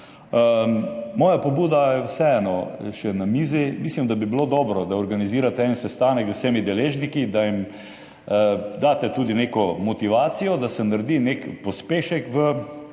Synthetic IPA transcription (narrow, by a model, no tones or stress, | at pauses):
əmɔːjapɔbuːd̪ajɛwsɛɛnɔʃɛnamiːzimislimd̪abibilod̪ɔːbɾɔd̪aɔɾɡaniziːɾat̪ɛɛnsɛst̪aːnɛɡzwsɛmid̪ɛleːʒnikid̪aim | d̪aːt̪ɛt̪uːd̪inekɔmɔt̪iʋaːsijɔd̪asɛnaɾd̪inekpɔspeːʃɛkʋə